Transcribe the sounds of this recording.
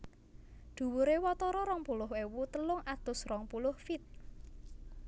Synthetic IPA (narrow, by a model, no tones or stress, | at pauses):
d̪̥ṳwuɾewɔt̪ɔɾɔɾɔŋpulʊɦwewut̪əlʊŋad̪̥ʊ̤srɔŋpulʊhfit̪̚